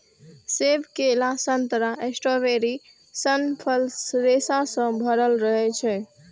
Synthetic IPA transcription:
sebkelasənt̪ɾaʔesʈoʋeɾi | sənpʰəlsɾesasə̃bʱəɾəlɾəɦɛt͡ʃʰɛ

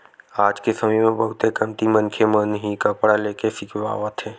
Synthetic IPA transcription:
aːd͡ʒkesɐməjmẽbɐɦʊt̪ekɐmt̪imɐ̃nkʰemənɦikapɽaleːkefɪkʋa̰ːʋat̪ʰeː

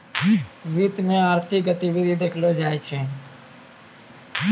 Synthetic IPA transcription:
ʋiːt̪mẽːaːɾt̪ʰɪːɡət̪iːʋid̪ʱiːd̪eːkʰloːd͡ʒaːet͡ʃʰeː

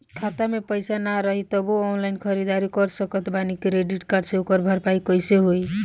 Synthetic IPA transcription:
kʰat̪amepəjsanaɾəɦit̪əboɔnlaɪinkʰəɾid̪aɾikɔɾsəkət̪banikɾeɖiʈkaɾɖseukəɾbʱəɾpaikəjseɦoi

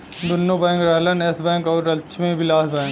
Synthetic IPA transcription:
d̪ʊnːobɛ̃ːŋkɾɛɦlənesbɛ̃ːŋkɔːɾɐʃʰmẽbɪlaːsbɛ̃ːŋk

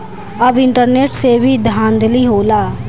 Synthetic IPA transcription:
əbɪɳʈəɾneːʈsebʱiːd̪ʱãːnd̪liːɦoːlaː

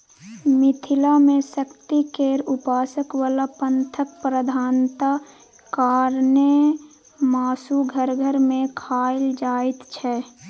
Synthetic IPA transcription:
mɪt̪ʰɪlamẽsəkt̪ikeːɾʊpaːsəkwaːlapənt̪ʰək̚pɾəd̪ʱaːnt̪a | kaːɾnə | maːsuɡʱəɾɡʱəɾmẽkʰaːɪld͡ʒaːɪt̪t͡ʃʰɛ

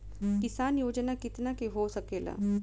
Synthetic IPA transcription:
kɪsaːnjoːd͡ʒnakɪt̪nakeɦosɐkeːla̰ː

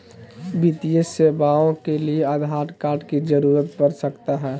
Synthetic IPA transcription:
bit̪iəsebaõkeliead̪ʱɦaːʈkaːɾɖkid͡ʒəɾuːɾət̪bəɾsəkt̪aɦɛː

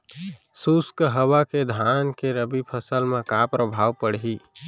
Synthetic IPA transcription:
suskɦəwaked̪ʱankeɾəbipʰəsəlmẽkapɾəbʱaːwpəɽɦi

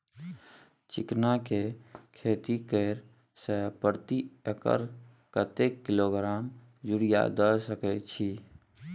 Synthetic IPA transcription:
t͡ʃɪknakekʰeːt̪ikəɪɾ | səpəɾt̪iekə̰ɾ | kət̪ekːɪloɡɾaːm | d͡ʒuɾija̰d̪əsəkɛt͡ʃʰi

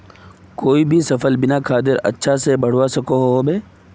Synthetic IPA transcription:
koːibʱisɐfəlbɪnakʰaːd̪̬ɪɾɐ̰tːʃʰasebɐɽ̤ʋasɐkoɦoɦobeː

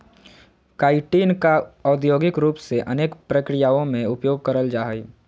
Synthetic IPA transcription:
kaːɪʈiːnkaɔːd̪joːɡɪkɾuːpseʔəneːkpɾəkɾijaːõmẽʊpjoːɡ̚kəɾəld͡ʒaːɦəi

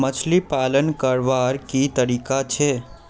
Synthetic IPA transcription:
mət͡ʃʰlipaːlənkəɾʋaɾkit̪əɾiːkat͡ʃʰɛ

